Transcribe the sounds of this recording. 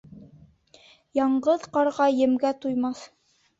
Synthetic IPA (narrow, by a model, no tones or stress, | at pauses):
jɑɴɢɤðqɑɾʁɑjɘ̆mɡæt̪ujmɑθ